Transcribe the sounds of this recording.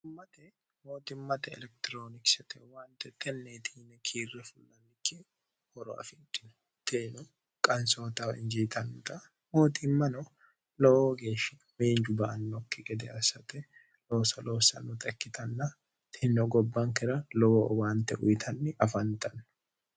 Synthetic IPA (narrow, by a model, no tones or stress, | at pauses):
mːɐt̪ɛ | moːt̪ɪmːɐt̪ɛɛ̰lɛk̚t̪ɪɾo̞ːnɪksɛt̪ɛwaːnt̪ɛt̪ʰːɛnːeːt̪ʰiːnɛkʰiːrːɛfʊlːɐnːɪkːɪ | hɔɾɔ̰ɐ̰fɪnt̪ʼɪnʊ̥ | t̪ʰenʊ | kʼɐnso̞ːt̪awɪ̰nd͡ʒit̪ɐnːʊt̪ɐ | moːt̪ɪmːɐnɔ | lɔoːɡe̞ːʃːɐ | meːnd͡ʒʊbɐːnːɔkːɪɡɛd̪ɛɐsɐt̪ɛ | loːsɐloːsɐ̰nːʊt̪ʼɛkːɪt̪ʰɐnːɐ | t̪ʰɪnɔɡɔbːɐŋkɪɾɐlɔoːwaːnt̪ɛʔʊ̰jɪt̪ʰɐnːɪʔɐfɐnt̪ʰʼɐnːʊ